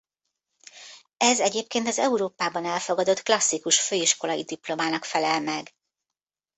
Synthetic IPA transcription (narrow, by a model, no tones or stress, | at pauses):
ɛzɛɟeːp̚keːnt̪ɒzɛuɾoːpaːbɒnɛlfo̞ɡɒd̪o̞t̪klɒsːikuʃføːiʃko̞lɒjid̪iplo̞maːnɒkfɛlɛlmɛɡ